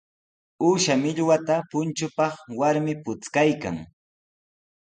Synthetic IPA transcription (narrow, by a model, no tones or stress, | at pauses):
uːʃamɪʎwat̪apʊnt͡ʃʊpɑχwaɾmɪpʊt͡skajka̰ŋ